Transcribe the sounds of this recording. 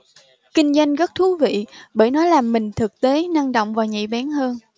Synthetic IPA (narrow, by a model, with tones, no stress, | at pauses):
kï˧ŋ̟za˧jŋ̟ɣə˦˥t̚t̪ʰu˨˦vḭ˧˨ɓəː˧˩jnɔ˨˦jlaː˨˩mːï˨˩ŋ̟t̪ʰɨ˨˩k̚t̪e˨˦na˧ŋɗo̰˧˨wŋ͡mvaː˨˩wɲḭ˧˨ɓaː˨˦nhəː˧n